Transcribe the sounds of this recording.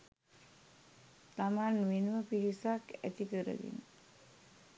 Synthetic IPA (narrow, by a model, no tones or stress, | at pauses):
t̪amanʋenuʋəpiɾisakæ̰t̪ikəɾə̰d̪ḭn